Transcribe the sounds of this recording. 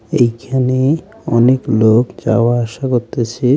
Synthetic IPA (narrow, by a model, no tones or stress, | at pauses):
ejkʰane | ɔneklokd͡ʑa̰waaʃakoɾt̪et͡ɕʰe